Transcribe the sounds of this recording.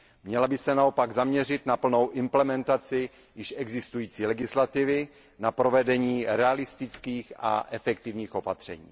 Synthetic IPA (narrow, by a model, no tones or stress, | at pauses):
mɲɛlabɪsɛnaopaɡzamɲɛr̝ɪt̪napl̩no̞wʔɪmplɛmɛnt̪at͡sɪ | jɪʃɛɡzɪst̪ujiːt͡siːlɛɡɪslat̪ɪvɪ | napɾo̞vɛdɛɲiːɾɛalɪst̪ɪt͡skiːxa̰ʔɛfɛk̚t̪ɪvɲiːxo̞pat̪r̝̥ɛ̰ɲḭː